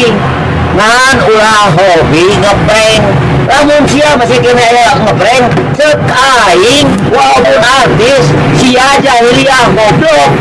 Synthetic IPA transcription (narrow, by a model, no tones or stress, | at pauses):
ŋa | nulahɦobiŋəpɾɛŋ | lamʊŋsiaməsihkenɛaja | ŋəpɾɛŋ | t͡ʃək | a | iŋ | waapʊnart̪ɪs | siad͡ʒaɦiliaŋkɔblɔ